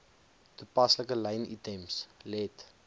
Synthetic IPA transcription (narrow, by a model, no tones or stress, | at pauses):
tupɐsləkəlɐjnḭtɛmslɛt